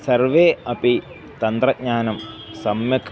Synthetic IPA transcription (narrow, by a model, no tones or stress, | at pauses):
sɐrʋeːɐpi | t̪ɐnt̪rɐk̚ɲaːnɐmsɐmjɐkʰ